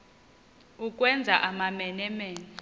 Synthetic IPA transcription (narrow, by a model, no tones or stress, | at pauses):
ukʼwɛnd͡zʱaʔamamɛnɛmɛːnɛ